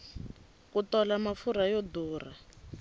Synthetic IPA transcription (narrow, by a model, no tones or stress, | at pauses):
kutɔlamafuɾajɔduːra